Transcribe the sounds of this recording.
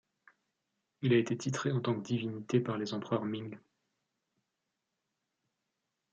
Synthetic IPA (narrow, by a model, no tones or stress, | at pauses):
ilaet̪et̪ʰit̪χeɑ̃t̪ɑ̃kd̪ivinit̪epaʁlezɑ̃pχœʁmiŋ